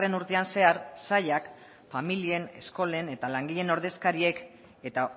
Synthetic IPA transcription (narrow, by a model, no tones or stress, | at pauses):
re̞nuɾt̪e̞anse̞aɾsaʎak | familie̞ne̞̰sko̞le̞ne̞t̪alaŋɡiʎe̞no̞ɾð̞e̞skaɾie̞k | e̞t̪a